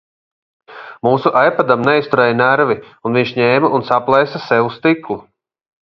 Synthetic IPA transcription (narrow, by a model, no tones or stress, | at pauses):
muːsuʔajpad̪amnɛist̪uɾɛjnæɾvi | unvʲiɲʃɲɛːmaunsaplˠɛjsasɛvust̪iklˠu